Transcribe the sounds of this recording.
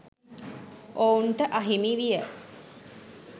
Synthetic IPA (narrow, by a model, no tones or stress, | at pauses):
ʔouɳʈəʔɐɦimiʋijə